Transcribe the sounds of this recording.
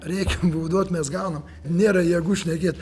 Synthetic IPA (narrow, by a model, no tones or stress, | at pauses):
ɾʲɛɪkʲɛmbʊʊd̪oːt̪ʲmʲɛsɡɑʊnɐm | ɪnʲeːɾɐjɛːɡʊʃʲnʲɛkʲeːt̪